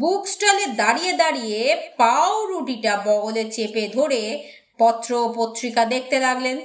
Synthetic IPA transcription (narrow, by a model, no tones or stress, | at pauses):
buksʈaleɾd̪aɾijed̪aɾijepawɾuʈiʈabɔɡolet͡ɕeped̪ʱoɾe | pɔt̪ːɾopot̪ːɾikad̪ek̚ʰt̪elaɡlen